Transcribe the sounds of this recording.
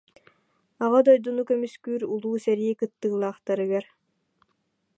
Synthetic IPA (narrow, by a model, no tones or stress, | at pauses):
aʁad̪ɔjd̪unukœmyskyːɾulˠuːsɛɾiikɯt̪ːɯːlˠaːχt̪aɾɯɡɛɾ